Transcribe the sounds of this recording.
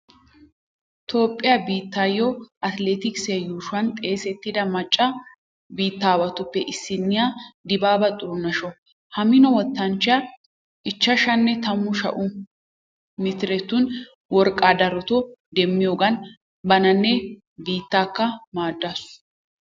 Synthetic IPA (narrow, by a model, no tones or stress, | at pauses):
t̪ʰo̞ːpʼːɪjabiːt̪ːaːjɔʔɐt̪leːt̪ɪksɐjuːʃɐnt̪ʼe̞ːsɛt̪ːɪd̪ɐmɐt͡ʃʼːɐ | biːt̪ːaːwɐt̪ʊpːɛʔɪsːɪnːɪjaːd̪ɪbaːbɐt̪ʼːʊɾʊnɐʃɔ | hɐmɪnɔwɔt̪ːɐnt͡ʃɪɐ | ʔɪt͡ʃːɐʃɐnːɛt̪ɐmːʊʃɐ̰ʔʊ | mɪt̪ɪɾɛt̪ːʊn | wɔɾkʼːaːd̪ɐɾɔt̪ɔd̪ɛmːɪjoːɡɐn | bɐnɐnːɛ | biːt̪ːaːkːɐmaːd̪ːas